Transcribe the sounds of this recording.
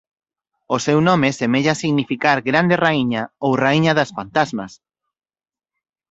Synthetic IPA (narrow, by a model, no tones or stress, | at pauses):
ʊsewnõmɪsemeʎasiɣnifikaɾɡɾand̪eraiɲaowraiɲɐðɐsfant̪azmɐs